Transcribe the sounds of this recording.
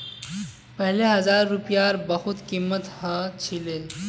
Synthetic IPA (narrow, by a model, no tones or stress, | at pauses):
pəɦleɦɐzaːɾːupjaɾbɐhut̪kimːət̪hɐt͡ɕʰileː